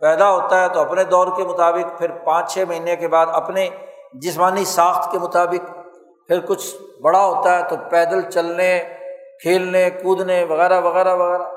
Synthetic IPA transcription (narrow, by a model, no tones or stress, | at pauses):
pɛːd̪aɦoːt̪aɦɛt̪oɐpned̪ɔːɾkemʊt̪aːbɪkpʰɪɾpãːt͡ʃt͡ʃʰɛːmɐɦiːnekebaːd̪ɐpned͡ʒɪsmaːnisãːxt̪ʰkemʊt̪aːbɪk | pʰɪɾkʊt͡ʃʰbɐɽaɦoːt̪aɦɛt̪opɛːd̪əlt͡ʃɐlnekʰeːlnekuːd̪neʋɐɣɛːɾaʋɐɣɛːɾaʋɐɣɛːɾa